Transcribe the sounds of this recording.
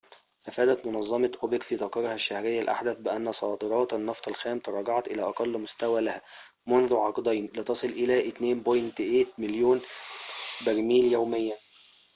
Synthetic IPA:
ʔæfæːd̪æt̪mʊnɑzˤːɑmɑʔobɪkfiːt̪ˤɑqɑɾhæʃːæhɾɪjːælʔa̰ħd̪æθbɪʔænːæsˤɑːd̪ɨɾˤɑːt̪ɑnːɑft̪ˤælxæːmt̪ɑɾˤɑːɡɑʕɑt̪ʔɪlæːʔɑqɑlːmʊst̪æwæːlæhæ | mʊnðuʕɑqd̪ˤɑːnlɪt̪ɑsˤɨlʔɪlæːʔɪt̪neːnbojnt̪eʔeːt̪̚mɪljoːn | bæɾmiːljæwmɪjːæ

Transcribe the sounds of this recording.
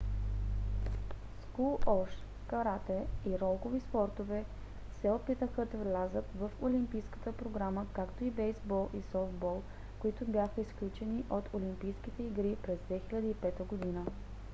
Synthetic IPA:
skuɔʃ | kɐɾat̪ɛiɾɔlˠɡovispɔɾt̪ovɛ | sɛopit̪əxəd̪əvlʲazət̪vəfolimpijskə̥t̪əpɾoɡɾaməkakt̪oibɛjzbɔlˠʔisɔft̪bɔlˠ | koit̪ʊbjaxəisklʲut͡ʃɛniʔot̪ʰolimpijskit̪ɛiɡɾipɾɛzd̪vɛxilʲɐd̪əipɛt̪əɡod̪inə

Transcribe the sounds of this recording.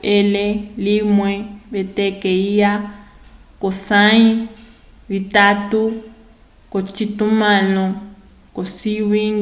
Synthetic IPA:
elelimwɛβetekeija | kosai | βitatu | kot͡ʃitumanɔ | kosiβiŋ

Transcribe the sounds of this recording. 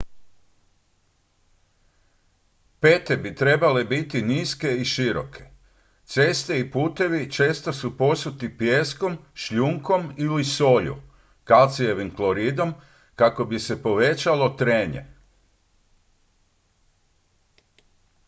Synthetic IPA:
pe̞ːt̪e̞bit̪ɾe̞bale̞bit̪iniːske̞iʃiɾo̰kʰe̞̥ | t̪se̞ːst̪e̞ipuːt̪e̞ʋit͡ʃe̞ːst̪osupo̞sut̪ipje̞ːsko̞mʃʎuŋko̞miliso̞ʎṵ | kalt̪sije̞ʋimklo̞ɾiːd̪o̞m | kako̞bise̞po̞ʋe̞t͡ʃalo̞t̪ɾeːɲḛ

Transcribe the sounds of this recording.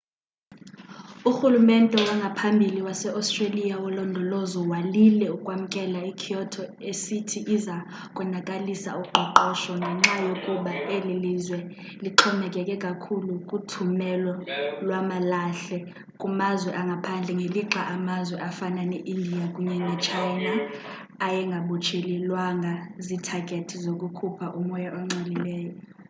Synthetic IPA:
uxulumɛntʼɛwaŋɡʱapʰambʱiliwasɛʔastʼrelijawɔlɔndʱɔlɔzɔwalilɛukʼwam̩kʼɛlaikʰiɔtʰɔesitʰiʔːza | kʼwɛnakʼalisa̰uɡ͡ǃʱɔǃɔʃɔŋɡʱɛŋ͡ǁajokʼuɓaelilizwɛliǃʰɔmɛkʼɛkʼɛkʼakʰulukʼutʰumɛlɔlwamalaɬɛ | kʼumazwɛʔaŋɡʱapʰand͡ɮʱɛŋɡʱeliǁaʔamazwɛʔafananeʔindʱijakʼuɲɛnɛt͡ʃʰajnaː | jɛŋɡʱaɓut͡ʃʰililwaŋʱazitʰaɡ̥ʱetʰizokʼukʰupʰaʔumɔjaʔɔŋ͡ǀʱililɛːjɔ

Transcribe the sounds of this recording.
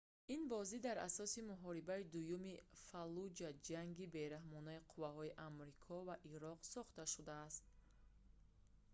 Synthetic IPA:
inbɔzid̪aɾa̰sɔsimuɦɔɾibaid̪ujumifalud͡ʒad͡ʒaŋɡibe̞ɾahmɔnaiqʰuvaɦɔiʔamɾikʰɔvaʔiɾɔqsɔχt̪aʃud̪aːst̪̚

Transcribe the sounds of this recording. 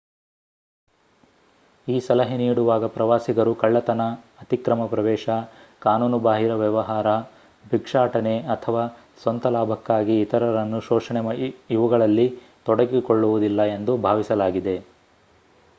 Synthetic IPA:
iːsɐlɐɦiniːɽuʋaːɡɐpɾɐʋaːsiɡɐɾukɐɭːɐt̪ɐnɐ | ɐt̪ikɾɐmɐpɾɐʋɛːʃɐkaːnuːnubaːɦiɾɐʋjɐʋɐɦaːɾɐ | bʱikʂaːʈɐneɐt̪ʰɐʋaː | sʋɐnt̪ɐlaːbʱɐkːaːɡiːt̪ɐɾɐɾɐnːuʃɔːʂɐɳɛmɐiʋɐɡɐɭɐlːi | t̪ɔɽɐɡikoɭːuʋud̪ilːɐe̞nd̪ubʱaːʋisɐlaːɡid̪e̞

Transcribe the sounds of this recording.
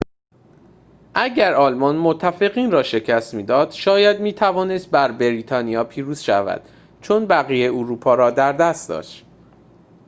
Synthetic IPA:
ʔæɟæɾɒːlmɒnmot̪ʰːæfe̞ɣiːnrɒːʃe̞cʰæst̪miːd̪ɒːd̪̥ʃɒːjæd̪miːt̪ʰævɒːne̞st̪̚bæɾbeɾiːt̪ʰɒːnijɒːpʰiːɾuːz̥ʃævæ̰d̪̥ | t͡ʃʰonbæɣijeoɾuːpʰɒːɾɒːd̪æɾd̪æst̪̚d̪ɒ̰ːʃt̪

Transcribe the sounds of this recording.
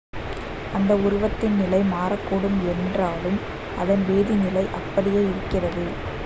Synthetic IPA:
ʔɐnd̪ɐʊɾʊʋɐt̪ːɪnnɪlɐɪmaːɾɐkːoɽɯmɛndraːlɯm | ɐðɐnʋeːðinɪlɐɪʔɐpːɐɽɪjeːɪɾɯkːɪrɐðɯ

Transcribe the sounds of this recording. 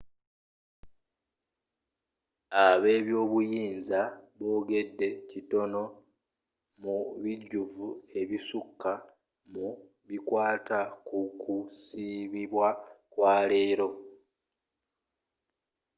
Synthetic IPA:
aβe̞ːβjo̞ːβujiːnzaβo̞ːɡe̞dːe̞cito̞no̞ | muβiɟːuvue̞βisukːa | mu | βikwaːtakukusiβiβwakwaːle̞ːɾo̞

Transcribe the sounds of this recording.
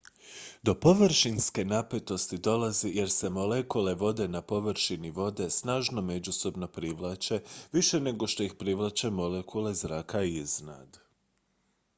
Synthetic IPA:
d̪o̞po̞ʋrʃinske̞nape̞t̪o̞st̪id̪o̞lazije̞ɾse̞mo̞lekule̞ʋo̞d̪e̞napo̞ʋɾʃiniʋo̞d̪e̞snaːʒno̞me̞d͡ʑuso̞bno̞pɾiʋlˠaːt͡ʃe̞ʋiʃe̞ne̞ɡo̞ʃt̪o̞ixpɾiʋlˠat͡ɕemo̞lekʰule̞zɾaːkaiizna̰d̪

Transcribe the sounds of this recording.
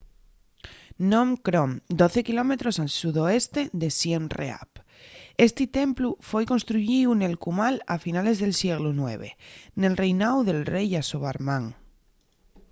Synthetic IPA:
nõmkɾomd̪oθe̞kilo̞me̞t̪ɾosalsuðoest̪e̞ðesjenrḛa̰p | est̪it̪e̞mplufo̞jko̞nst̪ɾuʝiune̞lkumalafinale̞zðelsjeɣlunwḛβ̞ḛne̞lrejnawðe̞lrejasoβaɾmãŋ

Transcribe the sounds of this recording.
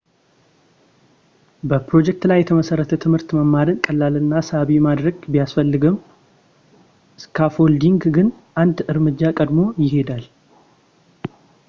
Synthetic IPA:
bəpɾo̞d͡ʒɛk̚t̪lajːɛt̪ʰəməsərːət̪ʰət̪ʰɨmhɨɾt̪məmːaɾɨnkʼəlːalɨnːasəaβimad̪ɾəɡbijasfəlːɨɡɨm | ɨskʰafo̞ld̪iŋɡɡɨn | ʔand̪ɨɾmɨd͡ʒːakʼəd̪mo̞jɪɦe̞d̪al

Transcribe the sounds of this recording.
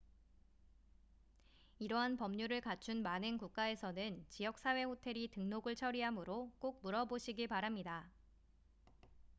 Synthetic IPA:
iɾʌɦanpʌmɲuɾɯɭkat͡ɕʰunmanɯnkuk̚k͈ae̞sʰʌnɯnt͡ɕijʌk̚s͈ʰawe̞hotʰe̞ɾitɯŋnoɡɯɭt͡ɕʰʌɾiɦamɯɾok͈ok̚muɾʌboɕʰiɡipaɾamɲida

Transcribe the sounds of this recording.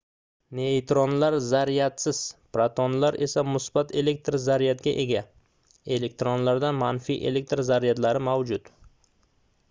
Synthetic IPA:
nejt̪ɾonlaɾzaɾijat̪sɪz̥pɾat̪ʰonlaɾʔe̞samʊsbat̪ʰe̞le̞k̚ʲt̪ɾzaɾijat̪ɡʲaʔe̞ɡʲa | e̞le̞k̚ʲt̪ɾonlaɾd̪anmanfḭʔe̞̰le̞k̚ʲt̪ɾzaɾijat̪laɾɪmawd͡ʒʊt̪

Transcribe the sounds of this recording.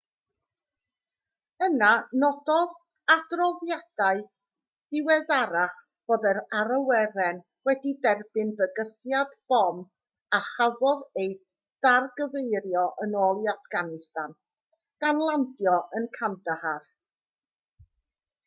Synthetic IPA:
ənanɔdɔð | adrɔðjad̥aɨ | d̥ɪwɛðaɾaχ | b̥oːdɛɾaɾəwɛɾɛn | wɛdidɛrbɨnvəɡəθjadb̥ɔm | aχavɔðej | d̥arɡəvejɾjɔʔənɔːlˠiafɡ̥anɪstan | ɡ̥anlˠandjɔənkʰandəhar

